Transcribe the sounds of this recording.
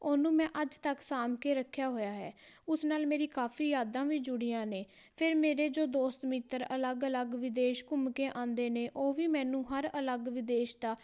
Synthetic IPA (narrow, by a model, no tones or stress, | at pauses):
oːnũːmɛ̃ːʔəd͡ʒt̪əksaːmkeːɾəkʰːjaːɦoːjaːɦɛ̰ːʊsnaːlmeːɾiːkaːpʰiːjaːd̪ãːʋiːd͡ʒʊɽiːãːneː | pʰɪɾmeːɾeːd͡ʒoːd̪oːst̪mit̪ːəɾə̰ləɡələɡʋɪd̪eːʃkʊmkẽːʔãːnd̪eːneːʔoːʋiːmɛ̃ːnũːɦəɾələɡʋɪd̪eːʃd̪aː